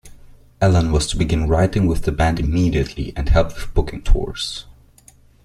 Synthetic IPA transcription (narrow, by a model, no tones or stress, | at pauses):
ɛlˠə̃nwʌz̥tʰəbɨɡɪ̃nɹaɪɾɪ̃ŋwɪðɨbæ̃ndɨmiɾiɨtʰlḭʔɨ̃nhɛlˠp̚ðb̥ʊkɪ̃ŋtʰɔ̰ɹz̥